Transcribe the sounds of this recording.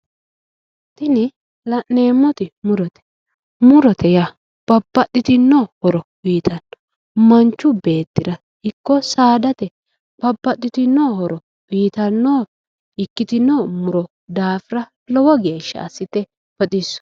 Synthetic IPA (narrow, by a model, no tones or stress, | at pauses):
t̪ɪnɪ | lɐʔːe̞ːmːɔt̪ɪmʊɾɔt̪ɛ̥ | mʊɾɔt̪ɛjɐ | b̥ɐbːɐtːɪt̪ɪnːohɔɾɔbiːt̪ɐnːɔ̥ | mɐnt͡ʃːʊbe̞ːt̪ːɪɾɐ | hɪkːɔsaːd̪ɐt̪ɛ | b̥ɐbːɐt̪ʼːɪt̪ɪnːoːhɔɾɔ | b̥iːt̪ɐnːoː | ɪkːɪt̪ɪnːoːmʊɾɔ | d̪aːfɪɾɐ | lɔwɔɡe̞ːʃːɐ̰ɐ̰sːɪt̪ɛ | b̥ɐt̪ʼɪsːɔ̥